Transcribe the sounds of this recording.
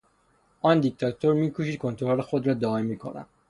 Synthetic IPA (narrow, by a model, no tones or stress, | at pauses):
ʔɒːnd̪ik̚t̪ʰɒt̪ʰoɾmiːkʰuʃiːd̪̚kʰont̪ʰoɾolexod̪ɾɒːd̪ɒːemiːkʰo̰næ̰m